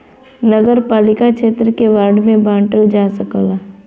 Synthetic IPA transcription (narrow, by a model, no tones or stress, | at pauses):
nəɡəɾpaːlɪkakʃeːt̪ɾəkeʋaːɾɖmẽbãːɳʈəld͡ʒaːsəkəlaː